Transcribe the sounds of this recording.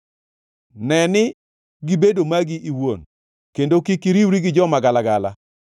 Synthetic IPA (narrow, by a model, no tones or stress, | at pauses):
nɛnɪ | ɡibedomaɡiʔiwon | kendokikiɾiwɾiɡɪd͡ʒɔmaɡalaɡala̰